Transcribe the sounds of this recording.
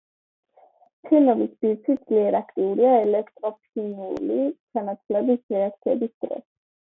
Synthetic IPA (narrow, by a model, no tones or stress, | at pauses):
pʰinɔbisbiɾt̪sʰid̪d̪z̥liɛɾakʰt̪ʼiuɾiaɛlɛkʰt̪ʼɾɔpʰinulit͡ʃʰanat̪sʰvlɛbisɾɛak̚t̪sʰiɛbisd̪̥ɾɛ̰s